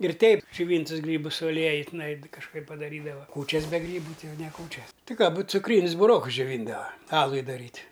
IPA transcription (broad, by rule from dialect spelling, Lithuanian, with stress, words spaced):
ɪr ˈtʲɛɪp d͡ʒʲʊˈʋʲiːntʊs ˈɡrʲiːbʊs sʊ ɐˈlʲiɛjʊ tʲɪˈnɐɪ kɐʃˈkɐɪp pɐdɐˈrʲiːdɐʋɐ ˈkuːt͡ʃʲɛs bʲɛ ˈɡrʲiːbʊ ˈtɐɪ ˈjɛʊ nʲɛ ˈkuːt͡ʃʲɛs tʲɪ kɑː buːt t͡sʊˈkrʲiːnʲʊs bʊˈroːkʊs d͡ʒʲoːˈʋʲiːndɐʋɐ ˈɑːlˠʊɪ dɐˈrʲiːtʲ